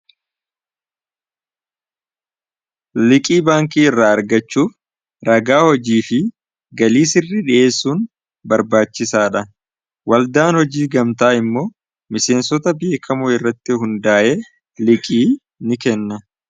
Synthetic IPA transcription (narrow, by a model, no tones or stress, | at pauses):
lɪkʼiːbaːŋkiːɪrːaɐɾɡɐt͡ʃːuːf | ɾɐɡaːhɔd͡ʒiːfɪ | ɡɐliːsɪrːɪᶑɪʔe̞ːsːuːn | bɐɾbaːt͡ʃːɪsaːᶑɐ | wɐld̪aːnhɔd͡ʒiːɡɐmt̪aːɪmːo̞ː | mɪse̞ːnsɔt̪ɐbɪeːkʰɐmʊɪrːɐt̪ːɪɦʊnd̪aːʔeː | lɪkʼiː | nɪkɛnːɐ